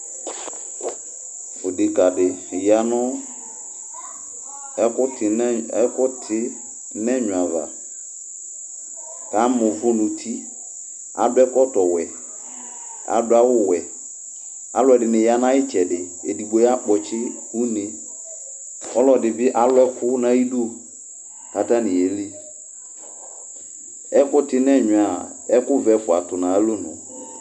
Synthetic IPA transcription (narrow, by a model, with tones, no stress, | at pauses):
o˨de˨ka˨dɪ˨ja˨nʊ̃˦ | ɛ˦kʊ˦tɪ˨˦ɛ˦kʊ˦tʰɪ˦ | nɛ˦ɲʊ˨ã˨va̰˨ | ka˨˦mʊ̃˨fʊ˦nʊ̃˨tʰi˦ | a̰˨bɛ˦kɔ˦tɔ˨wɛ˨ | a̰˨˦dʊ˦a˦wʊ˦wɛ˨ | a̰˨lwɛ˨dɪ˨nɪ˨ja˦nã˦ɪ˦t͡ʃɛ˨dɪ˨ | e˨di˨ɡ͡bo˨˦ja˦k͡pɔ˨t͡ʃɪ˦hu˦ne˨ | ɔ˦lɔ˨dɪ˨bɪ˦ʔa˦lʊ˦ɛ˦kʰʊ˦nã˦i˦do˦˨ | ka˨ta˦nɪ̃˨e˨le˦ | ɛ˦kʊ˦tɪ˦nɛ˦˨ɲʊ˨a˨ | ɛ˦kʊ˦vɛ˨fʊ˨a˨tʊ˨nã˨a˦lo˦nʊ̰̃˨